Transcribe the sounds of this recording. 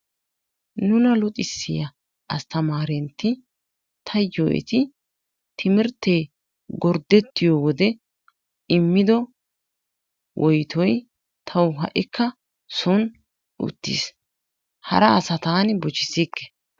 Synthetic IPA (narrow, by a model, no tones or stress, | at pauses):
nʊnɐlʊt̪ʼɪsːɪjɐ | ʔɐst̪ɐmaːɾɛnt̪ːɪ | t̪ʰɐjoːʔɛ̰t̪ɪ | t̪ʰɪmɪɾt̪ːeː | ɡɔɾd̪ɛt̪ːɪjowɔd̪ɛ | ɪmːɪd̪ɔ | wʔɔjt̪ʰɔj | t̪ʰɐwɦɐ̰ʔɪkʰːɐ | sɔn | ʔʊ̰t̪ːḭːs | hɐ̰ɾɐːsɐt̪aːnbɔt͡ʃɪsikːɛ̥